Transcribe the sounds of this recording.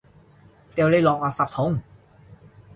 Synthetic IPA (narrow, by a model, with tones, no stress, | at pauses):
t̪e˧˨wle˧˥˩jlɔː˨˩k̚waː˧˩sa˨˩p̚t̪ʰo˨˥ŋ